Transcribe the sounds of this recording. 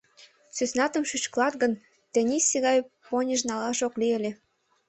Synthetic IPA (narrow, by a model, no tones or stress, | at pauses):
sysnɑt̪ə̆mʃyt͡ɕklɑt̪ɡə̆n | t̪enʲiseɣɑjponʲəʃnɑlɑʃoklielʲe